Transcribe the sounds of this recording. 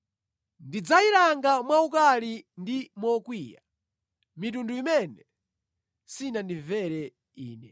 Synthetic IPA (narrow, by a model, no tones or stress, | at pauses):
ndid͡zaiɾaŋɡamwaukalindimɔkwija̰ | mitunduimɛnɛ | sinandivɛɾɛ | iːnɛ